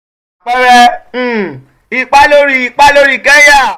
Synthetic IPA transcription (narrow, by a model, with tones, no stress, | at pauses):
k͡pɛ˧ɾɛ̃˧˨ | i˧k͡pa˦lo˦ɾi˦˨i˨˧k͡pa˦lo˦ɾi˦˨ɡɛ˦ja˦˨